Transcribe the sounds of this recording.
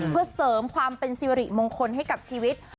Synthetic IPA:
pʰɯ˧ɐsɤː˩˦mkʰwaː˧mpe˧nsiː˧ɾi˨˩moː˧ŋkʰo˧nɦa˥˩jka˨˩p̚t͡ɕʰiː˧wi˦˥t̪̚

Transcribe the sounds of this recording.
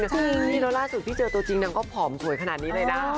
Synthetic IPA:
ɯ˧˥˩t̪ʰi˥˩lɛ˦˥wlaː˥˩su˨˩iː˥˩t͡ɕɤː˧t̪u˧t͡ɕi˧ŋna˧˩kɔː˥˩pʰɔː˩˦msu˨˩˦əjkʰnaː˨˩t̪̚niː˦˥lɤː˧˥na˦˥

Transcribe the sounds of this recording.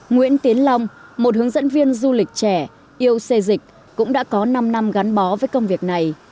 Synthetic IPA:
ŋwḭ˧˥ənt̪i˨˦ənla˧wŋ͡mmo˨˩t̚hɨ˨˦əŋzə̰˧˥nvi˧ənzu˧lï˨˩k̟̚t͡ɕɛ˧˩ | ʔi˧əwse˧zï˨˩k̟̚ | kʊ̰˧˥ŋ͡mɗa̰ː˧˥kɔ˨˦na˧mna˧mɣa˨˦nɓɔ˨˦vəː˨˦jkə˧wŋ͡mvi˨˩ək̚na˨˩j

